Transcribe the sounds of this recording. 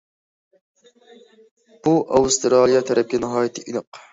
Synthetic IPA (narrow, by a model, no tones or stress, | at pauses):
b̥uʔɑwst̪ɾɑːlˠijɑt̪ʰɛɾɛp̚ɡʲɛnɨɦɑːjit̪ʰɨʔinɨq